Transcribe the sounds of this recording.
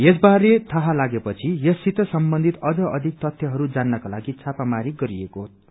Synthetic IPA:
jes̬baɾet̪ʰʌɦalaɡepʌt͡sʰijʌsit̪ʌsʌmbʌnd̪ʱit̪ʌd͡zʌʌd̪ʱik̚t̪ʌt̪ʰjʌɦʌɾud͡zanːʌkalaɡit͡sʰapamaɾiɡʌɾiekoɦot̪̚

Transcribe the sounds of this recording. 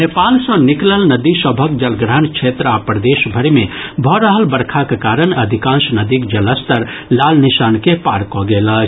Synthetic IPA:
neːpaːlsɔ̃nɪkləlnɐd̪isɔbʱək̚d͡ʒɐlɡɾəɦənkʃʰeːt̪ɾaːpəɾd̪eːʃbʱɐɾmẽbʱɔːɾaɦəlbɐɾkʰakekaːɾəñɐd̪ʱɪkãːʃnɐd̪ikd͡ʒɐləst̪əɾ | laːlnɪʃaːnkepaːɾkoːɡeːlaː

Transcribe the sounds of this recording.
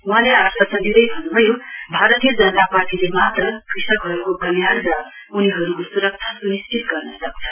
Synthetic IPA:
uɦãleaɾt̪ʰʌsʰʌ̃nd̪id̪ʌjbʱʌnubʱʌjobʱaɾʌt̪ijʌd͡zʌnʌt̪aparʈilemat̪rʌkrisʌkɦʌɾukoɡʌmjaɽd͡za | uniɦʌɾukosuɾʌk̚t͡ʃʰasnisʈit̪ɡʌrnʌsʌk̚t͡sʰʌ̥

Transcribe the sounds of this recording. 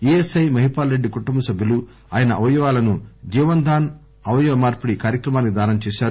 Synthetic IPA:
eːesɐjmɐɦipaːlɾeɖːikuʈːumbɐsɐbʱjiɐlu | aːjɐnɐʔɐʋɐjuʋaːlɐnud͡ʒiːʋɐnd̪ʱaːn | ɐʋɐjuʋɐmaːɾpuɽikaːɾjɐkɾɐmaːnikid̪aːnɐnɐt͡ʃɛːʃaːɾu

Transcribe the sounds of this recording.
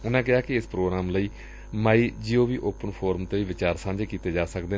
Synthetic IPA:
ʊnãːk̬ɪaːkɪɪspɾoːɡɾaːmləiː | maːiːd͡ʒɪoːʋiːʔoːpənpʰoːɾəmt̪eːʋiːʋɪt͡ʃaːɾsãːnd͡ʒeːkiːt̪eːd͡ʒaːsəkd̪eː

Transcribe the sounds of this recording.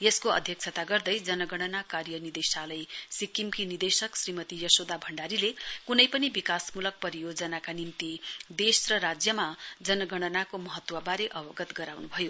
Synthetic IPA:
jeskoʌ̰d̪ʱjʌk̚t͡sʰʌt̪aɡʌrd̪ʌjd͡zʌnʌɡʌɽ̃ʌnakarjʌnid̪esalʌjsikːimkinid̪esʌksrimʌt̪ijʌsod̪abʱʌɳɖaɾilekunʌjpʌnibikasmulʌk̚pʌɾijoɡd͡zʌnakanimt̪id̪esrʌɾad͡zjʌmad͡zʌnʌɡʌɽ̃ʌnakomʌɦʌt̪wʌbaɾeʔʌbʌɡʌt̪ɡʌɾawnubʱʌjo

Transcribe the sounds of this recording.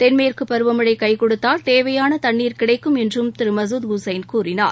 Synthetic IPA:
t̪ɛnmɐjɪrkɯpːɐɾɯʋɐmɯɽɐɪkɐɪkɔɽɯt̪ːaːlt̪eːʋɐjaːnɐt̪ɐɳːiːɾkɪɽɐɪkːɯmɛndrɯmt̪ɪɾɯmɐsuːd̪ɡʊsɐɪnkuːrɪna̰ːɾ

